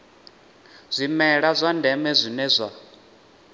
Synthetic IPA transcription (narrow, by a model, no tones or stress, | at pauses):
z̥ʷimɛɺazʷandʱɛmɛzʷinɛzʷa